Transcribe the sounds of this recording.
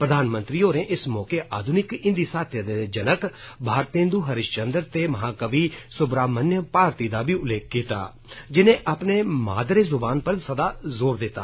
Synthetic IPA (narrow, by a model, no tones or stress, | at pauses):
pɾəd̪ʱaːnmə̃nt̪ɾiːoːɾẽːʔɪsmɔːkeːʔaːd̪ʱʊnɪkɪ̃nd̪iːsaːt̪ʰjəd̪ed͡ʒənəkbʱaːɾt̪ẽːnd̪uːɦəɾɪʃt͡ʃənd̪əɾt̪eːməɦaːkəʋiːsʊbɾaːmənjəpaːɾt̪iːd̪aːbiːʊlːeːk̚kːiːt̪a̰ː | d͡ʒɪnẽːʔaːpneːma̰ːd̪ɾeːzʊbaːnpəɾsəd̪aːzoːɾd̪ɪt̪ːa̰ː